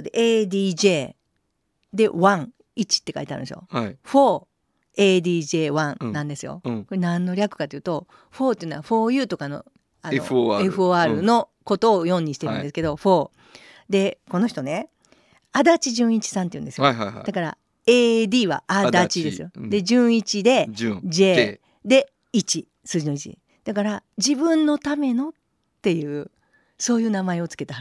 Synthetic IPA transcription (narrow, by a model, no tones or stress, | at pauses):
d̪e̞̰ʔeːd̪ʲiːʑe̞ː | d̪e̞βãŋ | it͡ɕi̥t̪ːe̞ka̰iteaɾɯ̰̃nesɨjo̰ɸo̞ː | eːd̪iːʑe̞ːβãnnãnd̪e̞sɨjo̞̰koɾenãnːo̞ɾʲakɯ̥kat̪ejiɯːt̪o̞ | ɸo̞ːt̪eɯ̟noaɸo̞ːjɯ̟ːt̪o̞kano̞̰ | anoeɸɯ̟oːaːɾɯ̟no̞ko̞t̪o̞ːjõ̞ɲ̟ːiɕi̥t̪e̞ɾɯ̰̃nd̪esɨ̥ke̞d̪o̞ɸo̞ː | d̪e̞ko̞no̞çi̥t̪o̞ne̞ | ad̪at͡ɕiʑɨ̃ɰ̃it͡ɕi̥sãnt̪eiɯ̟nd̪e̞sɨjoa̰d̥̪akaɾa̰ | eːd̪iːβa̰ʔad̪t͡ɕid̪e̞sɨjo̞d̪e̞ʑɨ̃ːɰ̃it͡ɕid̪e̞ʑe̞ː | d̪e̞ | it͡ɕi | sɨːʑino̞it͡ɕḭ | d̪̥akaɾad͡ʑibɯ̟̃nnːo̞t̪ame̞no̞t̪ː | e̞jɯ̟ː | so̞ːjɯ̟ːnamae̞o̞t͡sɨ̥ke̞t̪ahaɾ